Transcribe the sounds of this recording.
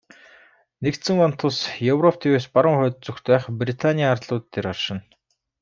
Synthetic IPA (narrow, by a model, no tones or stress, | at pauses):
nekt̪sɘ̆ŋɔn̥t̪ʰːʊɮsjɵwrɔpt̪ʰiweːspaɾə̆ŋχœːt̪̚t͡sɵxt̪pæːχprit̪ʰanʲiaːrt̪ɮʊːt̪ːeːɾɔrʃɪ̆n